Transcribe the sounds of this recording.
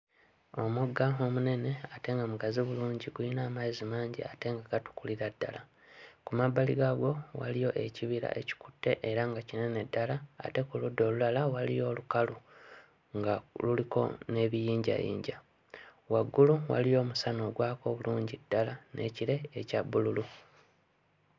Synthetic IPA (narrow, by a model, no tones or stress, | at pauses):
o̞muɡːao̞mune̞ne̞ate̞ŋɡamuɡaziβuluːɲɟiɡuinaːmaizimaːɲɟḭate̞ŋɡaɡatu̥kuliɾadːa̰la | kumabːaliɡaɡo̞wa̰lijo̞ʔe̞ciβiɾa̰ʔe̞̰ci̥ku̥tːe̞ʔeɾaŋɡacine̞ne̞dːala̰ːte̞kuludːo̞ːlulalawalijo̞ːlukalu | ŋɡaluliko̞̰ne̞ːβijiːɲɟa̰jḭːɲɟa | waɡːuluwa̰lijo̞ːmusano̞ːɡwaːko̞βuluːɲɟidːalanʔḛciɾe̞ːcabːululu